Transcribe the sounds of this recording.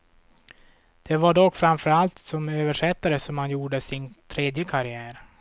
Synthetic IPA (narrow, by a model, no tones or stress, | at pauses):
d̪̥ɛvaɖɔkːfɾanfœɾalt̪sɔmøːvəʂɛt̪ːaɾəsɔmhanjuːɖəsɪnt̪ʰɾeːd̪jəkʰaɾɪæːɾ